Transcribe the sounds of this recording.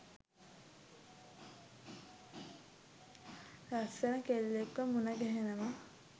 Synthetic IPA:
ɾasənəkellekʋəmunəɡɛɦenəma

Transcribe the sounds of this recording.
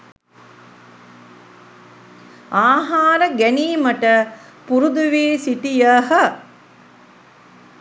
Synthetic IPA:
aːɦaːɾəɡæniːməʈəpuɾud̪uʋiːsiʈijəɦə

